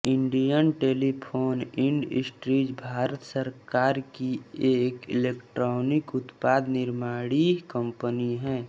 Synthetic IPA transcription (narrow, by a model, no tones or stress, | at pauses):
ɪ̃ɳɖijənʈeːlipʰoːnɪ̃ɳɖɪ̰sʈɾiːd͡ʒbʱaːɾət̪səɾkaːɾkieːkɪleːkʈɾɔːnɪkʊt̪paːd̪nɪɾmaːɽikə̃mpəniɦɛ̃ː